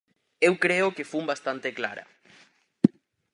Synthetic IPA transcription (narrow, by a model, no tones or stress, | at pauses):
ewkɾeokefumbast̪ant̪ekla̰ɾɐ̰